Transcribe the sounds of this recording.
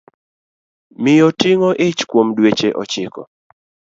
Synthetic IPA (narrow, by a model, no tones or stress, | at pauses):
mɪjɔtiŋɔʔɪt͡ʃkwomdwet͡ʃeʔɔ̰t͡ʃɪkɔ̰